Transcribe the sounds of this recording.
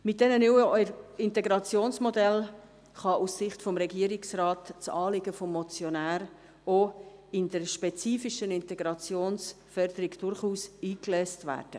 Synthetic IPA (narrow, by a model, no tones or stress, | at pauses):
mɪt̚d̥ɛnənyəɪntɛɡɾɑt͡sjoːnsmɔdɛl | χɑʔussɪχtfɔmɾɛɡiəɾɪksrɑːtt͡sɑːlɪɡəfɔmːɔt͡sjonæːɾ | oɪnd̥əɾʃpɛt͡siːfiʃənɪntɛɡɾɑt͡sjoːns | fœɾd̥əɾɪɡd̥ʊɾχuːsiːklɛstvæ̰ːd̥ə